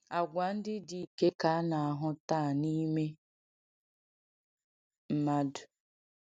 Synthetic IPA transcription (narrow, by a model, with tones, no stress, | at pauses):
a˨ɡʷa˨n̩˦dɪ˦di˨ke˦ka˨˦na˨a˨ɦʊ˦taː˦˨ni˦me˦ | m̩˦ma˦dʊ˨